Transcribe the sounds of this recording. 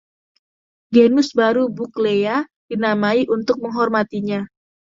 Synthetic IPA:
ɡenʊsbaɾubukleja | d̥inamaiʔunt̪ʊk̚məŋɦɔrmat̪iɲa

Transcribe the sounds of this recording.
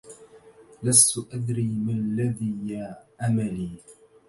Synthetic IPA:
last̪ʊʔad̪ɾiːmalːaðiːjaʔamaliː

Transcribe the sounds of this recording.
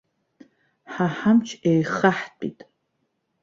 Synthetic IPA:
ħaħamt͡ʃʰejχaħtʼḭtʼ

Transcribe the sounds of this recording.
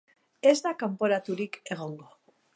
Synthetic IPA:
e̞zd̪akampo̞ɾat̪uɾike̞ɣ̞o̞ŋɡo

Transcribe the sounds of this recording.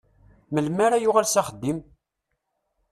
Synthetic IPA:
məlmaɾajʊʁalsaχəd̪ːim

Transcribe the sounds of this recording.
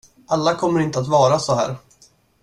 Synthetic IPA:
alːakʰɔmːəɾɪnt̪əat̪vɑːɾasɔɦæ̰ːɾ

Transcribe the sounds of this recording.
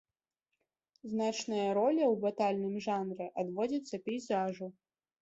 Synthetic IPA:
znat͡ʂnɐjɐɾɔlʲɐwbat̪alʲnɨmʐanɾɛʔad̪vɔd͡zʲɐt̪sːɐpʲɛjzaʐu

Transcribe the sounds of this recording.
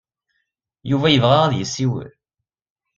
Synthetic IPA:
juvæjəvʁaʁæðjəsːiwə̰ɾ

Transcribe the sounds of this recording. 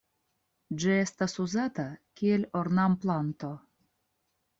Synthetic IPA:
d͡ʒie̞st̪asuzatakʲielʲoɾnamplant̪o̞

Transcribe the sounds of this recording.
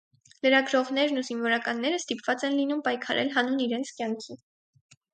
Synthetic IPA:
ləɾɑɡɾɔʁn̪ɛɾnuzinvɔɾɑkɑnːɛɾəst̪ipvɑt͡sɛnlinumpɑjkʰɑɾɛ̰lɦɑnuniɾɛnt͡sʰkjɑŋkʰi

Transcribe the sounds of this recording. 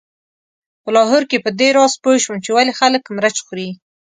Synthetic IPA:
pəlɑɦʊɾkepəd̪eɾɑspojʃwəmt͡ʃewalexaləkmɾat͡ʃxuɾi

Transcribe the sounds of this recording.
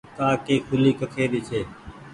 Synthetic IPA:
t̪aːkeːkʰʊliːkəkʰeːɗ̪iːt͡ʃʰeː

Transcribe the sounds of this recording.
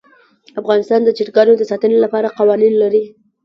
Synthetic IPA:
afɣɑnɪst̪ɑnd̪ət͡ʃɪʈɡɑnod̪əsɑt̪ənelapɑɾaqɑwɑninlaɾi

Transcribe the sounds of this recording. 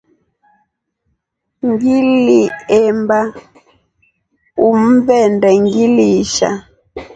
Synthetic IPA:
ŋɡiliɛmba | um̩vɛndɛŋɡiliʃa̰

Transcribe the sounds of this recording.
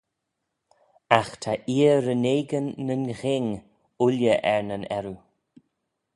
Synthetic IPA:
axt̪ʰaʔiːəɾəneːɡənːənɣɪŋ | ʊljəʔɛɹnənɛɾu

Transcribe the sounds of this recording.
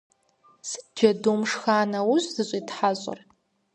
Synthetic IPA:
sɨdd͡ʒɐdoːmʂxaːnɐwʊɕʷzɨɕʷʼitħaɕʷʼɐ̰r

